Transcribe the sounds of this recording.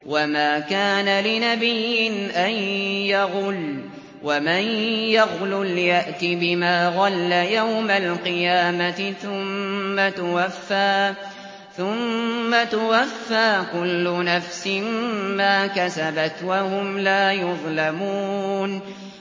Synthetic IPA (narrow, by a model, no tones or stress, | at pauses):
wamaːkaːnalɪnabɪjːɪnʔajjaɣʊl | wamanjaɣlʊljaʔt̪ɪbɪmaːɣɑlːajawmalqɨjaːmaɪθʊmːat̪ʊwafːaː | θʊmːat̪ʊwafːaːkʊlːʊnafsɪmmaːkasabat̪wahʊmlaːjʊðˤlamuːn